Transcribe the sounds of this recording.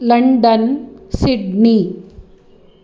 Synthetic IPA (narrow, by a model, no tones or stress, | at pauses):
lɐɳɖənsiɖni